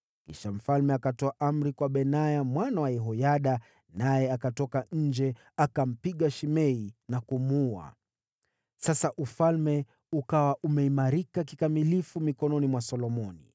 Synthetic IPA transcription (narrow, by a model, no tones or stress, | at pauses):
kḭʃam̩falmɛakatɔaʔam̩ɾikwaɓɛnajamwanawajɛɦɔjaɗa | najɛakatɔkaɲ̩d͡ʒɛ | akam̩piɠaʃimɛinakumua̰ | sasaʔufalmɛ | ukawaʔumɛimaɾikakikamilifumikɔnɔnimwasɔlɔmɔnḭ